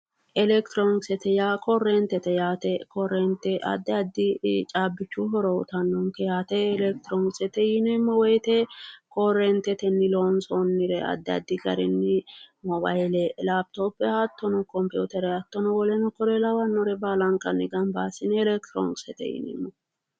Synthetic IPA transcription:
ʔɛlɛkt̪ɾonɡsɛt̪ɛjaːkʰɔrːɛnt̪ɛt̪ɛjaːt̪ɛkɔrːɛnt̪ːɛʔɐ̰d̪ːɛɐd̪ːɪt͡ʃʼaːbːɪt͡ʃːuɦɔɾɔʊt̪ɐnːɔŋkɛjaːt̪ɛːlɛk̚t̪ɪɾɔŋɡsɛt̪ɛjɪnɛmːɔwɔjt̪ɛkɔrɛnt̪ɛt̪ɛnːɪlonsɔnːɪɾɛɐ̰d̪ːɪɐ̰d̪ːɪɡɐɾɛnːɪmɔba̰jlɛlabt̪opːɛhɐt̪ːɔnɔkɔmpjuːt̪ɛɾɛhɐt̪ːɔnɔwɔlɛnɔkɔɾɛlɐwɐnːɔɾɛbaːlɐŋkʼɐnːɪɡɐmbaːsɪnɛlɛkt̪ɾo̰ŋɡsɛt̪ɛ̰jɪ̰nɛ̰mːɔ

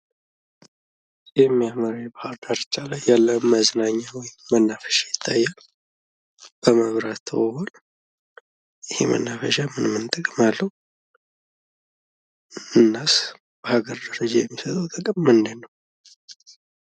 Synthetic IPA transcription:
sʼjɛmːijaməɾajbəhaɾd̪aɾt͡ʃʼalajːalːəɨmːəznaɲːawɔjɪmːənːafə̥ʃajɪt̪ʰːajːal | b̥əməβɾat̪ʰːəwɔwol | jɪhḛmə̰nːafəʃamɨnmɨnt̪ʼəkʼmalːəhu | ɨnːas | b̥əhaɡəɾd̪əɾəd͡ʒajɛmːisət̪ʼəwt̪ʼəkʼɨmmɨnd̪ɨnːəw

